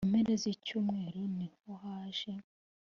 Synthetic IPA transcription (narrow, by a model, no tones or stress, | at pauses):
meɾezicuːmŋe̞ːɾoniohaːʒe